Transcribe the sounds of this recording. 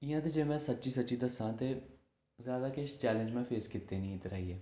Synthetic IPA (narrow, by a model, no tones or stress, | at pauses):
ɪjãːt̪eːd͡ʒeːmɛ̃ːsətːʃiːsətːʃiːd̪əsãːt̪eː | zjaːd̪aːkɪʃt͡ʃɛːlə̃nd͡ʒmɛ̃ːpʰeːskɪt̪ːeːnĩːt̪ɾaːiːɛː